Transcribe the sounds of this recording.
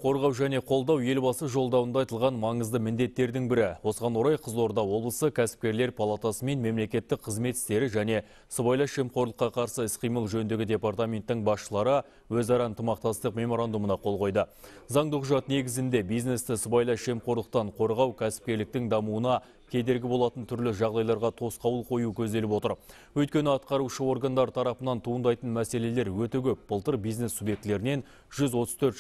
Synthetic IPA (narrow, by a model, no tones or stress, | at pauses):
qʰo̞ɾʁɑwʒæne̞qʰo̞lˠd̪ɑwje̞lbɑsəʒo̞lˠd̪ɑwənd̪ɑjt̪əlˠʁɑnmɑɴəzd̪əmɪnd̪e̞t̪ːe̞ɾd̪ɪŋbɪɾɪwo̞səʁɑnwoɾɑjqʰəzo̞ɾd̪ɑwo̞blˠəsəkʲʰæsɪ̥p̚kʲe̞ɾle̞ɾpʰalˠat̪asəme̞nme̞mle̞kʲe̞t̪ːɪk̚qʰəzme̞t̪ɪst̪e̞ɾɪʒæne̞ | səbajlˠɑʃe̞mqo̞ɾlˠəqːɑqʰɑɾsəɪsqʰijməlˠʒɵnd̪e̞ɡʲɪd̪ʲe̞part̪amʲe̞nt̪ːɪŋbɑsʃəlˠɑɾə | wɵzɑɾɑənt̪ʰəmɑq̚t̪ɑst̪əqme̞mo̞ɾand̪umənɑqʰo̞lˠʁo̞jd̪əzɑɴd̪uqʒɑt̪ne̞ɡʲɪzɪnd̪e̞bijzne̞st̪ɪsəbɑjlˠɑʃe̞mqʰo̞ɾlˠəq̚t̪ɑɴqʰo̞ɾʁɑwkʲʰæsɪ̥p̚kʲe̞ɾlɪk̚t̪ɪŋd̪ɑmuənɑ | kʲʰe̞d̪e̞ɾɡʲɪbo̞lˠɑt̪ənt̪ʰʏɾlɪʒɑʁd̪ɑjlˠɑɾʁɑt̪ʰo̞sqɑwəlˠqʰo̞jukʲʰɵzd̪elɪpwo̞t̪əɾ | wɵjt̪̚kʲe̞nɪɑt̪̚qɑɾuʃəo̞rɡand̪ɑɾt̪ʰɑɾɑpənɑnt̪ʰuənd̪ɑjt̪ənmæse̞le̞le̞ɾwɵt̪ekʲʰɵp̚b̥əlˠt̪əɾbijzne̞subje̞k̚t̪le̞ɾɪne̞n | ʒ̥ʏzwo̞t̪əzt̪ʰɵɾt̪